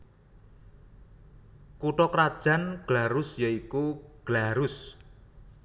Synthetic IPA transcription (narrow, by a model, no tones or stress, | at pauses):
kuʈɔkɾad̥ʒ̥a̤nɡ̥laɾʊsjaikuɡ̥laɾʊs